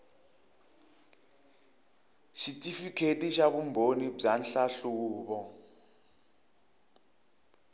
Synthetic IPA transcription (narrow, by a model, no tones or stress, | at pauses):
ʃitʼifikʰetʼiʃaβumbʱonib͡ʐanɬaɬuuːβɔ